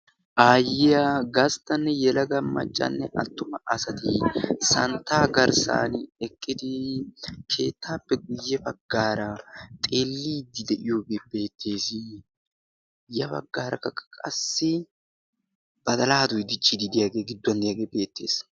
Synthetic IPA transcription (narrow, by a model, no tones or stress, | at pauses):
ʔaːjɪɐɡɐst̪ːɐnːɛjɛlɐɡɐmːɐ̰t͡ʃʼːɐ̰nːɛʔɐt̪ːʊmɐʔɐsɐt̪ɪsɐnt̪ːaːɡɐɾsa̰ːnɛkʼːɪd̪ɪ | kʰe̞ːt̪ːaːpːɛɡʊjːɛbɐɡːaːɾɐt̪ʼe̞ːlːiːd̪ɪd̪ɛʔɪjoːɡeːbe̞ːt̪ʰːe̞ːsɪ | jɐbɐ̰ɡːaːɾɐkːɐkʼɐkʼɐsːɪ | b̥ɐd̪ɐlaːɐd̪ʊjd̪ɪt͡ʃʼːɪd̪ɪd̪ɪjaɡe̞ːɡɪd̪ːwɐnd̪ɪjaːɡe̞ːbe̞ːt̪ːe̞ːs